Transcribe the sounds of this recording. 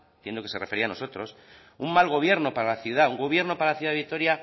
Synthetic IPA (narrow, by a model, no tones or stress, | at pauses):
t̪jend̪okese̞refeɾiano̞so̞t̪ɾo̞s | ummalɣ̞o̞βje̞ɾno̞paɾalaθjuð̞auŋɡo̞β̞je̞ɾno̞paɾalaθjuðaðit̪o̞ɾja